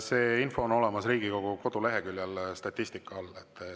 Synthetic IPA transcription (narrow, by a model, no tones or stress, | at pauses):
se̞ːinfo̞ːno̞le̞mɑsriːɡ̥iko̞ɡ̥uko̞d̪̥ule̞ɦe̞kylʲjɑlst̪ɑt̪ʲːˑist̪ikːˑɑɑlːet̪ː